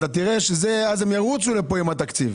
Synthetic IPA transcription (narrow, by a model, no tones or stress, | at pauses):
t̪at̪iʁe̞ʃezeazemjaʁut͡sule̞po̞imat̪akt͡sḭv